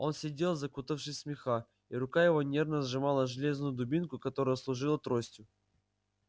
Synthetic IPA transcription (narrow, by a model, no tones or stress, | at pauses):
o̞nsʲɪdʲe̞lˠzɐkut̪əfʂɨsʲsmʲɪxa | iɾʊkajɪvo̞nʲe̞rnəzʐɨmalˠəʐɨlʲe̞znʊjʊd̪ʊbʲinkʊkɐt̪o̞ɾəjəslˠʊʐɨlˠət̪ɾosʲtʲʊ